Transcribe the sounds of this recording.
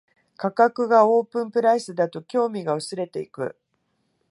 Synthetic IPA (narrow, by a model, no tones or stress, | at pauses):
kakakɯ̟ɡao̞ːpɯ̟̃mpɯ̟ɾaisɨd̪at̪o̞kʲo̞ːmʲiɡaɯ̟sɨɾe̞t̪e̞ikɯ̟̰